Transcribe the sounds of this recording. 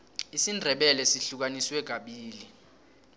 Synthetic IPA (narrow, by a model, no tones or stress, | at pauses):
isindʱɛɓɛlɛsiɬuk̬aniswɛɡ̥̬ʱaɓiːli